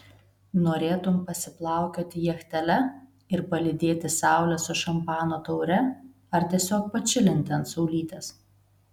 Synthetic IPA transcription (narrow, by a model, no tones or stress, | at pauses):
noːɾʲeːt̪ʊmpɐsʲɪplˠɑˑʊkʲoːt̪ʲɪjɛxʲt̪ʲɛlʲɛ | ɪɾpɐlʲɪd̪ʲeːt̪ʲɪsɑˑʊlʲɛsʊʃɐmpɑːnoːt̪ɐʊɾʲɛ | ɐɾt̪ʲiɛsʲoːk̚pɐt͡ʃʲɪlʲɪnʲt̪ʲɛnt̪sɔʊlʲiːt̪ʲɛs